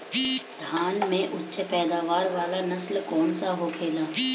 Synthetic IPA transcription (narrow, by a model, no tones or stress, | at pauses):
d̪̥ʱaːnmẽʔʊtːʃʰpɛːd̪aːʋaːɾʋaːlanɐslkɔːnsaɦokʰeːlaː